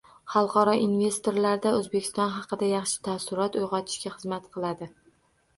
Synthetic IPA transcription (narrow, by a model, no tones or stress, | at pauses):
χɑlˠqʰɒɾɒʔinve̞st̪oɾlaɾd̪aɵzbe̞kʲʰɪst̪ɒnɦɑqɨd̪ajɑχʃɪ̥t̪ʰasɪɾɒt̪ojʁɒt̪ʰɪ̥ʃkʲaχɨzmat̪qʰɨlˠad̪ɪ